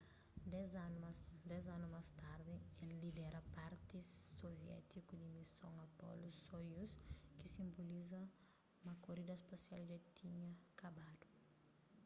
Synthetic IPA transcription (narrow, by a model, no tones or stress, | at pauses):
z | d̪ɛzanumast̪aɾd̪ɪelːid̪ɛɾɐpaɾt̪isːovjɛ̰t̪ikud̪imisoŋapɔ̰lusojuskisĩmbolizɐ | mɐkoɾid̪ɐspasjald͡ʒat̪ʰiɲɐkabad̪u